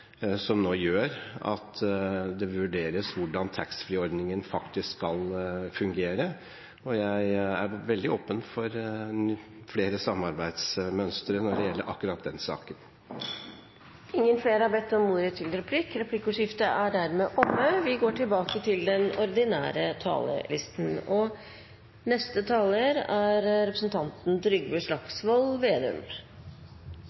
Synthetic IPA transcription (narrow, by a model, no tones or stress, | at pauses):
sɔmnoːjøːɾɑ̰t̪ʰd̪ɛʋʉɖeːɾəsʋʊɖɑnt̪ʰæksfɾiːɔɾd̪nɪŋənfɑkt̪ɪsskːɑlfʉŋɡeːɾə | ɔjæɪæɾʋɛld̪ɪoːpənfɔɾ | fleːɾəsɑmːɑɾbæɪd̪smœnst̪əɾənɔɖɛjɛlːəɾʔɑ̰kːʉɾɑt̪̚d̪ɛnsɑ̰ːkən | ɪŋːənfleːɾəɑbɛt̪ːɔmːuːɾət̪ʰɪld̪əɾɛpʰlɪkɾɛpʰlɪkːʊʂɪft̪əʔæɖæɾmeːʔɔmːəʋɪɡoːʈʰɪlbɑːkət̪ʰɪld̪ɛnɔɾd̪ɪnæ̰ːɾət̪ʰɑ̰ːlə̰lɪst̪n̩ɔ | nɛst̪ət̪ʰɑːləɾæɾɾɛpɾəsən̩t̪ʰɑnt̪n̩d̪ɾʏɡbəʂlɑksʋɔlʋeːd̪ʉ̰m